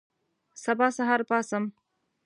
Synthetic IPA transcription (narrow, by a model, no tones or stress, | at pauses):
sabɑːsaɦɑɾpɑːsəm